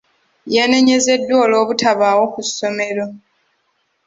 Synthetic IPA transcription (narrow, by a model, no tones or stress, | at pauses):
jane̞ɲe̞ze̞dːwoːlo̞ːβutʰaβaːwo̞kusːo̞me̞ɾo̞